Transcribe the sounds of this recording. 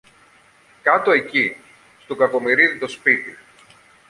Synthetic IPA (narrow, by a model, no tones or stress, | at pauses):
kɐt̪o̞e̞ci | st̪okɐko̞miɾiðit̪o̞spit̪ḭ